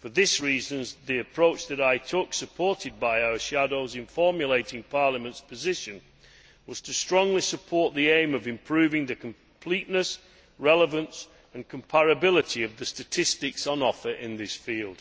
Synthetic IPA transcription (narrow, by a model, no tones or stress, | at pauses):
fə˞ðɪsɹizə̃nðiɨpʰɹ̥oʊt͡ʃðɨɾaɪtʰʊksɨpʰɔɹtɨd̚baɪaʊə˞ʃadoʊzɨ̃ɱfɔɹmjɨleɪtɪ̃ŋpʰɑɹləmə̃ntspʰɨzɪʃɨ̃n | wʌz̥tʰɨstɹ̥ɔ̃ŋlisəpʰɔɹʔ̪̚ðiẽɪ̃mʌvɨ̃mpʰɹ̥ʉvɪ̃ŋðɨkʰə̃m | pʰl̥iʔnəs | ɹɛlˠəvə̃ns | ə̃nkʰə̃mpʰæɹɨbɪlˠɪɾiʌvðɨstɨtʰɪstɪksə̃nɒfə˞ʔɪ̃nðɪsfilˠd̥